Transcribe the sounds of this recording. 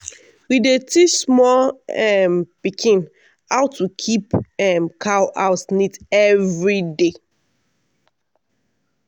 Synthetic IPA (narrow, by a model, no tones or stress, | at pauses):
widetismɔlɛmpikʰĩn | haʊtʰukʰipɛmkʰawʔaʊsnitɛvɹide